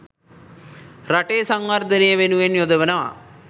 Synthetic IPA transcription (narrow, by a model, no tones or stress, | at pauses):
ɾaʈeːsaŋwɐɾd̪ənejəʋenuʋenjod̪əʋənɐʋa̰